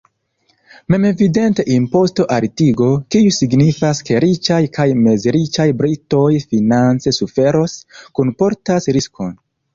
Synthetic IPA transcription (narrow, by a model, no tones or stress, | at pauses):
me̞me̞vide̞nte̞ʔimpo̞sto̞ʔaɾtiɡo̞kiusiɡnifaske̞ɾit͡ʃajkʰajme̞zɾit͡ʃajbɾito̞jfinant͡se̞sufe̞ɾo̞skunpo̞ɾtasɾiskʰo̞n